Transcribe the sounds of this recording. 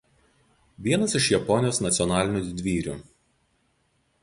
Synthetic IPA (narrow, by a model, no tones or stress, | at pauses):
ʋʲiɛnɐsɪʃjɛpɔnʲɪjoːsnɐt̪sʲɔnɑːlʲɪnʲuːˑd̪ʲʋʲiːɾʲṵ